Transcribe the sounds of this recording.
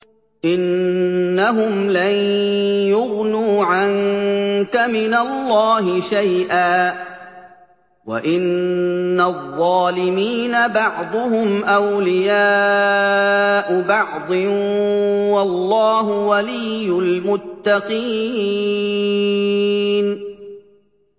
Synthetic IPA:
ʔɪnː | aɦʊmlanjʊɣnuːʕaŋkamɪnalːɑːɦɪʃajʔaː | wa̰ʔɪnː | aðˤːɑːlɪmiːnabɑʕd̪ˤʊhʊmʔawlɪjaː | ʔʊbɑʕd̪ˤɪ | wɑlːɑːɦʊwalɪjːʊlmʊt̪ːɑqiː | n

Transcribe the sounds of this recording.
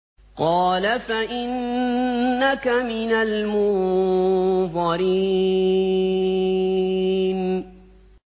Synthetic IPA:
qɑːlafaʔɪnː | akamɪnalmʊn | ðɑɾiː | n

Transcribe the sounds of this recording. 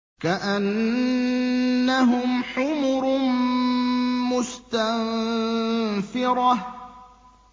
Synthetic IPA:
kaʔan | aɦʊmħʊmʊɾ | mʊst̪an | fɪɾˤɑ

